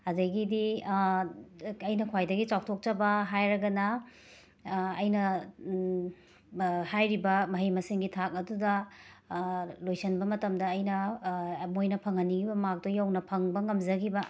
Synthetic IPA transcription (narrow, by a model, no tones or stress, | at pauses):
ɐdɐɡidi | ɐjnɐkʰwajdɐɡit͡ʃaw̚tʰok̚t͡ʃɐbɐɦajɾɐɡɐnɐ | jnɐ | hajɾibɐmɐɦijmɐsiŋɡitʰak̚ɐdudɐ | lojsɐnbɐmɐtɐmdɐːjnɐ | mojnɐpʰɐŋhɐniɡibɐmak̚tojawnɐpʰɐŋbɐŋɐmzɐɡibɐ